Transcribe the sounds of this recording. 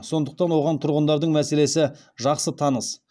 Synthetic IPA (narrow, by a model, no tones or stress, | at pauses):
so̞nd̪əq̚t̪ɑnwo̞ʁɑnt̪ʰʊɾʁənd̪ɑɾd̪əɴmæse̞le̞sɪ | ʒɑqsət̪ʰɑnəs